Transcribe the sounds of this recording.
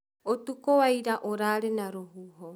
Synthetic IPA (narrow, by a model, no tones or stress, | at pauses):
ot̪ukowajɾaʔoɾaɾenaɾoɦuɦo